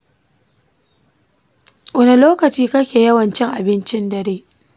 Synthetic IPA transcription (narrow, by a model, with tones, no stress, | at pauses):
wʷɐ˦ne˨loː˦kɐ˨t͡ʃiː˦kɐ˦kʲeː˨jɐ˦wɐ˨nt͡ʃɪ˦ŋʔa˨bɪ˦nt͡ʃɪ˦ndɐ˨ɾeː˦